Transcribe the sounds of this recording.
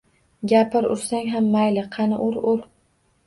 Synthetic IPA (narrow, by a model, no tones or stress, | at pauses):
ɡʲapʰɪɾʊ̰ɾsaŋɦamːajlɪqʰɑnɪʔʊɾʊɾ